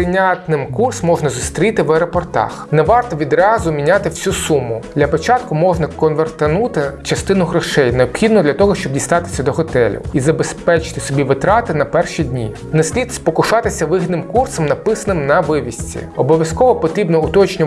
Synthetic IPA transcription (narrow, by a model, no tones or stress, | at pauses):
ɪnʲat̪nɪmkursmɔʒnɐzʊst̪ɾʲit̪ɪʋɛɾɔpɔrt̪ɑ̰xnɛʋɑrt̪ɔʋʲid̪ɾɑzʊmʲinʲat̪ɪwsʲusumːʊd̪lʲɐpɔt͡ʃɑt̪kʊmɔʒnɐkɔnʋert̪ɐnut̪ɪt͡ʃɐst̪ɪnʊɦɾɔʃɛjneɔpxʲid̪nʊd̪lʲɐt̪ɔɦɔʃt͡ʃɔbdʲijst̪ɑt̪ɪ̥sʲːɐd̪ɔɦɔt̪ɛlʲʊ̰izɐbespɛt͡ʃɪ̥t̪ɪ̥sɔbʲiʋɪt̪ɾɑt̪ɪnɐpɛrʃid̪ʲnʲḭ | nɐsʲlʲid̪spɔkʊʃɑt̪ɪsʲɐʋɪɦid̪nɪmkursɔmnɐpɪsɐnɪmnɐʋɪʋʲisʲt͡sʲḭɔbɔʋʲjɐskɔʋɔpɔt̪ʲɾʲibnɔʊt̪ɔt͡ʃnʲɔ